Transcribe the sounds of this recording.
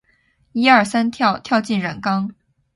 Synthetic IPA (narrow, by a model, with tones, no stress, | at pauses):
i˥ɐ˞˥˩sa˥nt̪ʰjɑ˥˧ʊt̪ʰjɑ˥˧ʊt͡ɕi˥˩nɻə˨˩nkɑ˥ŋ